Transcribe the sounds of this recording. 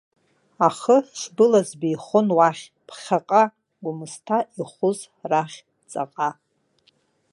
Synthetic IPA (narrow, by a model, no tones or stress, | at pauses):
aχəʃʷbɨlazbiːχʊnwaχʲ | pʰχʲaqʼa | ɡʷʊmɨstʰaʔiχʷʊz | raχʲ | t͡sʼa̰qʼa